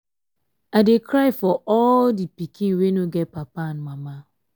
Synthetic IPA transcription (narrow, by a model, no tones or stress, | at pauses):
adekɾaɪfɔɔldipikʰĩnwenoɡɛt̚papanmama